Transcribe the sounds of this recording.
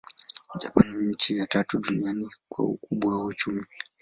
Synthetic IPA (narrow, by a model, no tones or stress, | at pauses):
ʄapaniɲ̩t͡ʃijatatuɗunianikwa̰ṵkuɓwawaut͡ʃumi